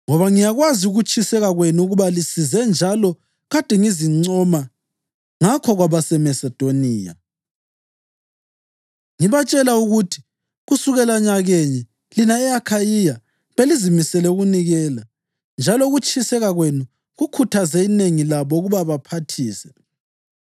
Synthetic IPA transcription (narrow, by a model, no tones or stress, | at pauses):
ŋɔβaŋijaɣwaziuɣut͡ʃʼʰisɛɣaɣwenuuɣuβalisizɛnd͡ʒʱalɔ | ɣad̥ʱɛŋiziŋ͡ǀɔma | ŋakʰɔɣwaβasɛmɛsɛd̥ʱoniːja̰ | ŋiβat͡ʃʼɛlauɣutʰi̥ | ɣusuɣɛlaɲaɣeɲɛ | linaɛakʰajija | βelizimisɛlɛuɣuniɣɛːla | nd͡ʒʱalɔɣut͡ʃʼʰisɛɣaɣwenu | ɣukʰutʰazɛineŋilaβɔɣuβaβapʰatʰiːsɛ̥